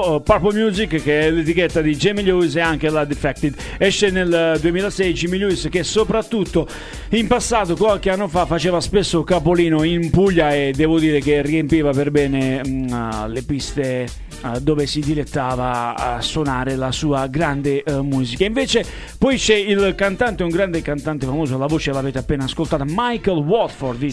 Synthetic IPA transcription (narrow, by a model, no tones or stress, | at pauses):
papomjuːzikːkːeɛlet̪ikɛt̪ːad̪id͡ʒemiʎuis̬eaŋkelad̪ifɛk̚t̪id̪ | ɛʃːeneld̪uemiːlasɛd̪it͡ʃimiʎuisk̟esːopɾat̪ːut̪ːo | impasːaːt̪okwalkeanːofafːat͡ʃɛːvaspesːokapoliːnoimpuʎːaed̪ːɛːvod̪iːɾek̟erːiempiːvapeɾbɛːne | lepist̪e | d̪ɔːvesid̪ilet̪ːaːvasonaːɾelasuːaɡɾand̪emuːzikaiɱveːt͡ʃe | pɔjt͡ʃɛilkant̪ant̪euŋɡɾand̪ekant̪ant̪efamoːzoalːavoːt͡ʃelaveːt̪eapːeːnaːskolt̪aːt̪amajkolwɔt̪fɔɾd̪